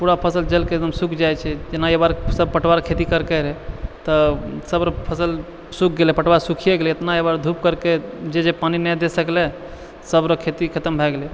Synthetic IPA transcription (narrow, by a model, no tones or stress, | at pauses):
puɾapʰəsəld͡ʒəlked̪əmsukʰd͡ʒajt͡ʃʰɛd͡ʒenaebaɾsəb̚pəʈwaɾkʰet̪ikəɾkeɾɛt̪əsəbɾɔ̃pʰəsəl | suk̚ʰɡelɛpəʈwaɾsukʰijeɡelɛet̪naebaɾd̪ʱup̚kəɾked͡ʒed͡ʒepaninɛd̪esəklɛ | səbɾɔkʰet̪ikʰət̪əmbʱɛɡelɛ